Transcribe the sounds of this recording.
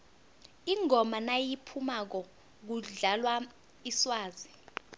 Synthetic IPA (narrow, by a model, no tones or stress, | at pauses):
iŋʱɔmanajipʰumak̬ɔ | k̬uɮalwa | iswaːzi